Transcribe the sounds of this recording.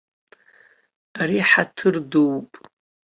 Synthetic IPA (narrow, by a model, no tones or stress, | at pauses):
aɾiħatʰɨrduwpʼ